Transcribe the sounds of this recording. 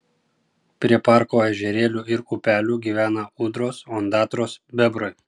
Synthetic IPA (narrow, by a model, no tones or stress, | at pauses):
pʲɾʲiɛpɑːˑɾkoːɛʒʲɛɾʲeːlʲuːɪɾupʲæːlʲuːɡʲiːʋʲæːnɐuːd̪ɾoːsɔnd̪ɑːt̪ɾoːsbʲɛbɾoj